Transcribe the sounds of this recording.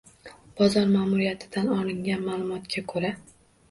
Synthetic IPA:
b̥ɒzɒɾmaːmʊɾijat̪ʰɪ̥d̪anɒlˠɪŋɡʲanmaːlˠʊmɒt̪kʲʰakʰɵɾa

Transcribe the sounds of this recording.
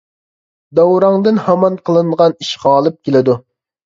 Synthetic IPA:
d̪ɑwɾɑŋd̪ɨnhɑmɑnqʰəlˠɨɴʁɑniʃʁɑːlˠɨp̚kʲelɪd̪u

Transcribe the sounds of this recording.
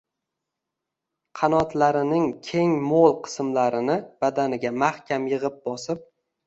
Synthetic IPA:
qʰɑnɒt̪laɾɪnɪŋkʲʰe̞ŋmolˠqʰɨ̥smlaɾɪnɪb̥ad̪anɪɡʲamahkʲamjɨʁɪp̚bɒsɪp̚

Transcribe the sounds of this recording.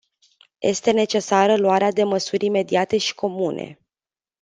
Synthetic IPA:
jʔe̞̰st̪e̞ne̞t͡ʃe̞saɾəluaɾead̪e̞məsuɾʲime̞d̪iat̪e̞ʃi̥ko̞munʔe̞̰

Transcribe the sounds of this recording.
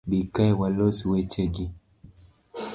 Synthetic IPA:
bikajwalɔswɛt͡ʃɛɡi

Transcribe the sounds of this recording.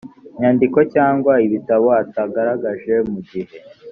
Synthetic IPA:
ɲandiko̞caːŋɡwaiβitaβo̞ataɡaɾaɡaʒe̞muɟihe̞

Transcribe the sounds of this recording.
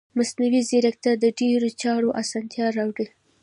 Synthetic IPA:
masnawizeɾak̚t̪ad̪əɖeɾot͡ʃɑɽoʔasɑnt̪jɑɾɑwɽi

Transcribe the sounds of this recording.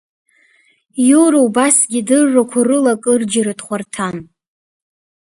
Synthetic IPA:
juwɾaubasɡʲidɨrːakʷʰarɨlakʼɨrd͡ʒɪɾɨdχʷartʰan

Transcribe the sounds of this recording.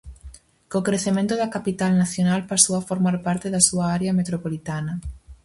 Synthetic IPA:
kokɾeθemẽnt̪ʊðɐkapit̪alnaθjonalpasowafoɾmaɾpaɾt̪eðɐsuɐaɾeɐmet̪ɾopolit̪anɐ

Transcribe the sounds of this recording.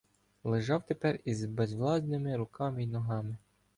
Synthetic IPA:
lˠɪʒɑwt̪epɛrizbɛzʋlˠɑsnɪmɪɾʊkʰɑmɪinɔɦɑmɪ

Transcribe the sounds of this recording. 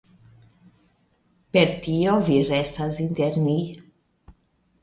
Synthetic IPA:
peɾt̪ioviɾest̪asint̪eɾni

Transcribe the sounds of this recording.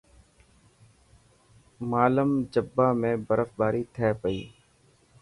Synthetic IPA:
maːləmd͡ʒəbːaːmẽːbəɾəfbaːɾiːt̪ʰɛːpəiː

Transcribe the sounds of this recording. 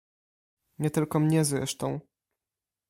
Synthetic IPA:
ɲɛt̪ɘlkɔmɲɛzɾɛ̰ʂt̪ɔ̃w̃

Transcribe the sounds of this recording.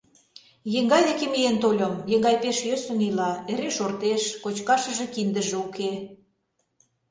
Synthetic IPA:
jeŋɡɑjd̪ekemijent̪olʲə̆mjeŋɡɑjpeʃjøsə̆nilɑeɾeʃort̪eʃkot͡ɕkɑʃə̆ʒĕkind̪ə̆ʒĕuke

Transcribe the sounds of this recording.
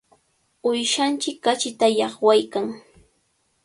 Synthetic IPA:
ʊjʃant͡ʃɪkːat͡ʃɪt̪ajɑχwajkaŋ

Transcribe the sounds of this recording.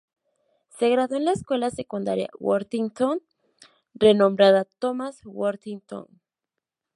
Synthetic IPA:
seɣɾaðoenlaeskwe̞lasekund̪a̰ɾja̰wo̰ɾt̪iŋt̪on | renõmbɾaðat̪omaswoɾt̪iŋt̪o̰n

